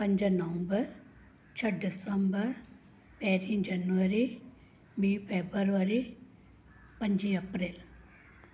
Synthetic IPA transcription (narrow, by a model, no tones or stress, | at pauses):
pɐɲd͡ʒɐnɐʋɐmbɐɾ | t͡ʃʰɐɖisɐmbɐɾ | peːɾid͡ʒɐnʋɐɾi | biːpʰeːbɐɾʋɐɾi | pɐɲd͡ʒiɐpɾil